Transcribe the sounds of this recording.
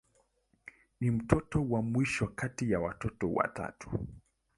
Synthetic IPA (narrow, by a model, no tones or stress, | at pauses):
nim̩tʰɔtɔwamwiʃɔkatijawatɔtɔwa̰ta̰tu̥